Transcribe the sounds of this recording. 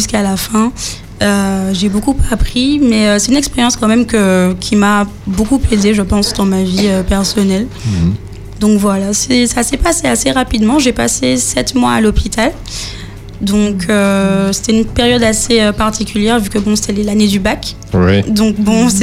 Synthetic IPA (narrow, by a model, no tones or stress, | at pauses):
ʒyskalafɛ̃ | øʒebokupapχimɛøsɛt̪ynɛkspeʁjɑ̃skɑ̃mɛmkəkʲʰima | bokupled̪eʒəpɑ̃sd̪ɑ̃maviøpɛʁsɔnɛl | d̪ɔ̃kvwalasɛsasɛpaseaseʁapid̪mɑ̃ʒepa̰sesɛt̪mwa̰alopit̪al | d̪ɔ̃kʰøse̥t̪ɛynpeʁjɔd̪aseøpaʁt̪ʰikʲʰyljɛʁvykəbɔ̃se̥t̪ɛlɛlaned̪ybak | wɛd̪ɔ̃kbɔ̃sɛ